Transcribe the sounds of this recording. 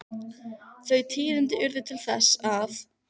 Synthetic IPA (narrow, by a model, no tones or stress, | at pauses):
θœɥt̪ʰiːðɪnt̪ɪʔʏɾðɪt̪ʰɪlθɛsːaθ